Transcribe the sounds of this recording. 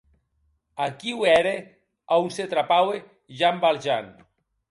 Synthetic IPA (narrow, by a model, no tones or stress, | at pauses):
akiwɛɾe | awnset̪ɾapawe | ʒambalʒan